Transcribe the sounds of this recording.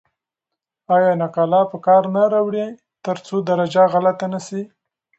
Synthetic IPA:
ɑjɑnaqɑlɑpəkɑɾnaɾawɽe | t̪əɾt͡sod̪aɾad͡ʒaɣalat̪anasi

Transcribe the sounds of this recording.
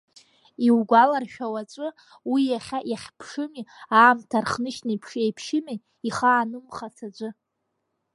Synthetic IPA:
iwɡʷalarʃᶣawat͡ʃʷʼɨ | wijaχʲaʔjaχʲpʰʂɨmiaːmtʰarχnɨʃnajpʰʂejpʰʃɪmi | iχaːnɨmχasad͡ʒʷʼɨ

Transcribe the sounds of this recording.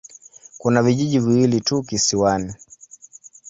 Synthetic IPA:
kunaviʄiʄiviwilitukisiwani

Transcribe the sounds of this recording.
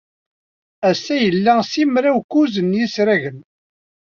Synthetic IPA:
æsːæjəlːæsimɾæwkuzənjisɾæʝən

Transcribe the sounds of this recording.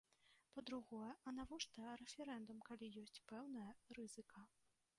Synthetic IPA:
pɐd̪ɾuɣɔjɐʔɐnavɔʂt̪ɐɾɛfʲɛɾɛnd̪umkalʲijɔsʲt͡sʲpɛwnɐjɐɾɨz̥ɨkʰɐ

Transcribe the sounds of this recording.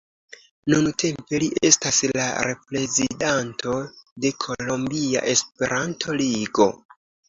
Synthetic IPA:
nuntʰe̞mpe̞liʔe̞̰stasla̰ɾe̞pɾe̞zidantʰo̞de̞kʰo̞lo̞mbia̰ʔe̞spe̞ɾʔantʰo̞liɡo̞̰

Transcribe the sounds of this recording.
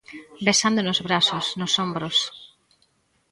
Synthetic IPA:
besand̪onozβɾasosnosõmbɾos

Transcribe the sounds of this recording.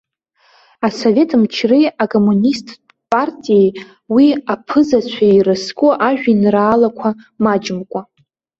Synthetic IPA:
aso̞ve̞tʰmt͡ʃʰriakʼo̞munistʰʼ | pʼartʼijej | wiapʰɨzat͡ɕʷʰairɨskʼuʔaʒᶣinraːlakʷʰa | mad͡ʒɪmkʷʼa

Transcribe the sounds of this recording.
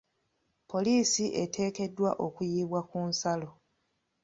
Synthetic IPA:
pʰo̞liːsiʔe̞tʰe̞ːke̞dːwaʔo̞kujiːβwakuːnsalo̞

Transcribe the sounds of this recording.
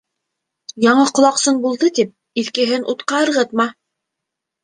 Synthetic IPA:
jɑɴɤqŏlˠɑqsɤnbulˠd̪ɤt̪ip̚ | iθkɘ̆ɦɘnʔut̪qɑɤ̆ɾʁɤt̪̚mɑ

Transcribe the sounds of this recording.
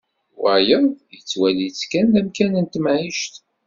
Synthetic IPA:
wæjəðˤjət͡sːwælit͡sːkænðæmkænənt̪mʕiʃt̪

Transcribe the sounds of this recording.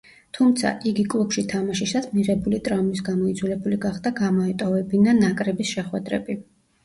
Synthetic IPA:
t̪ʰumt̪sʰa̰ʔiɡikʼlˠupʃit̪ʰamaʃisat̪miʁɛbulit̪ʼɾamis̬ɡamɔid̪zʰwɛlɛbuliɡaχd̪aɡamɔɛt̪ʼɔvɛbinanakʼɾɛbisʃɛχwɛd̪ɾɛ̰bi

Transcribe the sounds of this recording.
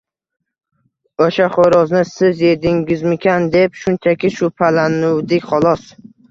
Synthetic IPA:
oʃaχoɾɒznɪsɪzje̞d̪ɪŋɡʲɪzmɪkʲʰand̪e̞pʃʊnt͡ʃʰakʲɪʃʊpʰalanʊwd̪ɪkʲχɒlˠɒs

